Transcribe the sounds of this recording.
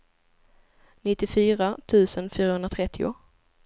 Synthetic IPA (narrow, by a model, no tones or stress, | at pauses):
nɪt̪ːɪfyːɾat̪ʰʉ̟ːsənfyːɾahɵnd̪ɾat̪ʰɾɛt̪ʰːɪʊ̰